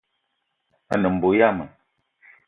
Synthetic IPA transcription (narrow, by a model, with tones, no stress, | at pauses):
a̰˦nə˨m̩˨bo˨ja˦˨mə˨